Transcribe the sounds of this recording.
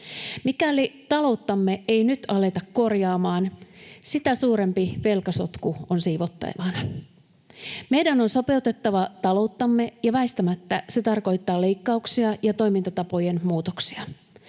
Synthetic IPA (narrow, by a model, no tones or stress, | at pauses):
mikæːlit̪ɑlo̞wt̪ːɑmːe̞ejnyt̪ɑle̞t̪ɑkːo̞rjɑːmɑːnsit̪æsuːɾe̞mpiʋe̞lkɑso̞t̪kuonsiːʋot̪ːɑ̰j̰ʋɑnɑ | me̞jdæno̞nso̞pe̞ut̪e̞t̪ːɑʋɑt̪ɑlo̞ut̪ːɑmːe̞jɑʋæist̪æmæt̪ːæse̞t̪ɑrko̞jt̪ːɑːle̞jkːɑuksiɑjɑt̪o̞jmint̪ɑt̪ɑpo̞je̞nmuːt̪oksiɑ